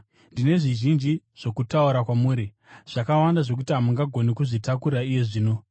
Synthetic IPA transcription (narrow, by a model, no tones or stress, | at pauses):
ndine̞ʐiʒind͡ʒi | ʐ̥o̞kutauɾakwamuːɾi | ʐ̥akawandaʐo̞k̬utiɦamuŋɡaɡʱo̞nikuʐitakuɾaije̞ʐiːno̞